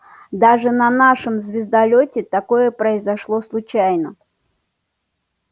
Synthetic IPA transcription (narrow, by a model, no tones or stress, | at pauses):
d̪aʐɨnɐnaʂɨmzʲvʲɪzd̪ɐlʲotʲɪt̪ɐko̞jəpɾəɪzɐʂlˠoslˠʊt͡ɕajnə